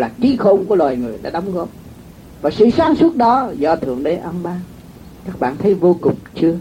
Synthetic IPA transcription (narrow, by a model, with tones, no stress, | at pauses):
laː˨˩ki˨˦xo˧ŋ͡mku˧˩əlwaː˨˩jŋɨ˨˩əjɗa̰ː˧˥ɗə˨˦wŋ͡mɣɔ˦˥p̚ | vaː˨˩sɨ̰˧˨saː˨˦ŋsu˦˥ət̚ɗɔ˨˦zɔ˧˩t̪ʰɨ̰˧˩əŋɗe˨˦ʔə˧mɓaː˧˦ | kaː˦˥k̚ɓa̰ː˧˨nt̪ʰə˨˦jvo˧kʊ˨˩ŋ͡mt͡ɕɨ˧ə